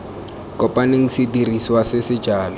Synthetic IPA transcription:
kʼɔpʼaneŋ̩sɪdiriswasɪsɪd͡ʒaːlɔ

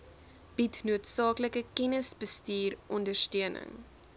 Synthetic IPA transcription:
b̥itnuətsɑːkləkəkɛnəsbəstiːrʔɔndərstøənə̰ŋ

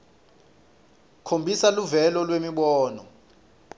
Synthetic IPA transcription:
kʰombʱisaluvɛlɔlwemiɓɔːnɔ̰

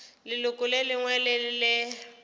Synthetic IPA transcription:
lɪlʊkʼʊlelɪŋwɛlɪlɪ

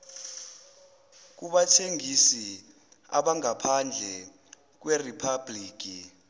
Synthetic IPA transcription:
k̬uɓatʰeŋisi | a̰ɓaŋapʰand͡ɮʱɛ | k̬weripʰabliːk̬ʼi

